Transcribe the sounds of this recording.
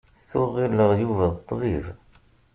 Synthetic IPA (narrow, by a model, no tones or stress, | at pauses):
θʊʁːilːəʁjuvæðət̪ˤːviɾ